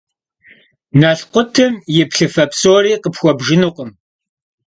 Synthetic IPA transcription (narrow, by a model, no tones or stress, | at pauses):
naɬqʷʊtʰɨmjɪpɬɨfɐpsoːriːqəpxʷɔbʒɪnuqəm